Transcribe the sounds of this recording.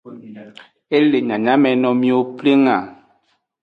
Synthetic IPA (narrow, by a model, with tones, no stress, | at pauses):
e˦le˨ɲã˨ɲã˦mɛ̃˨nɔ̃˨mĩ˦wo˦ple˦ŋã˨